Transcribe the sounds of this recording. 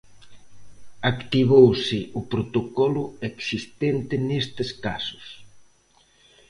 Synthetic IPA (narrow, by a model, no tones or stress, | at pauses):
akt̪iβowsɪʔʊpɾot̪okɔlʊeksist̪ent̪ɪnest̪ɪskasʊ̥s